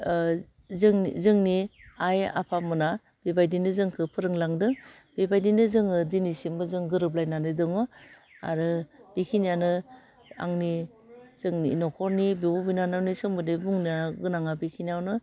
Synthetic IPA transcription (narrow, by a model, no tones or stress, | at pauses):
zɯŋzɯŋniaja̰pʰamɯna | b̥ibajdinɯzɯŋkʰɯpʰɯɾɯŋlaŋdɯŋ | b̥ibajdinɯzɯŋɯdinisimbɯzɯŋɡɯɾɯp̬lajnanɯdɯŋɯ | a̰ɾɯb̥ikʰinijanɯ | a̰ŋni | zɯŋninɔkʰɔɾnibiubinanawnisɯŋmɯdibuŋniaɡɯnaŋabikʰinawnɯ